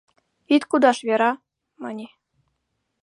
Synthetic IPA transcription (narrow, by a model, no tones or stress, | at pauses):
it̪ʲkud̪ɑʃβʲeɾɑ | mɤ̆nʲi